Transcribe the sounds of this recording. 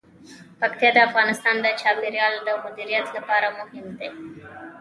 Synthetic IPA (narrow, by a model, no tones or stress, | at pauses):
pɐkt̪ed̪ɐɐfɡaːnist̪ʰaːnd̪ɐt͡ʃaːbiɾjaːlɐd̪ɐmud̪iɾjat̪lɐpaːɾɐmoɦind̪e